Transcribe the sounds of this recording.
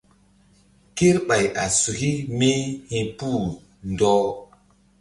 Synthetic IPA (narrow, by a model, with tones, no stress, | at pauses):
ke˦ɾɓa˨jʔa˨su˨hi˦me˦hĩ˨pu˦˨ | ndɔ˦